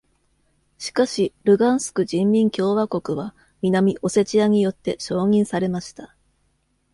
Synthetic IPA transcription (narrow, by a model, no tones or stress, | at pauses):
ɕi̥kaɕiɾɯ̟ɡãɰ̃sɨ̥kɯ̟d͡ʑĩmːʲĩŋkʲo̞ːβako̞kɯ̟βa | mʲinamʲiʔo̞se̞t͡ɕiaɲ̟ijo̞t̪ːe̞ɕo̞ːɲ̟ĩɰ̃saɾe̞maɕi̥t̪a